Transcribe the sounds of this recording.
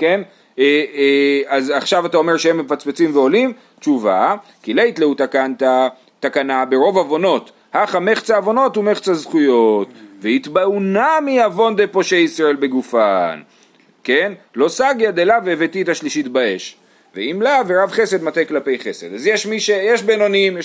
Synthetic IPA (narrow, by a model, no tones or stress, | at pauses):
ke̞n | e | azaχʃavatao̞me̞ʁʃehemːefat͡sbet͡simveo̞lim | t͡ʃuva̰ | kileit̪leut̪akant̪a | takanabe̞ʁo̞vavo̞no̞t̪ | haχameχt͡saːvo̞no̞tume̞χt͡sazχujo̞tveit̪baunamiavo̞nd̪epo̞ʃejisʁae̞lbe̞ɡufan | ke̞nlo̞saɡjad̪elaveevet̪itaʃliʃitbae̞ʃ | veimlaveʁavχe̞se̞d̪mat̪eklape̞jχe̞se̞d̪azjeʃmiʃejeʃbeno̞nimje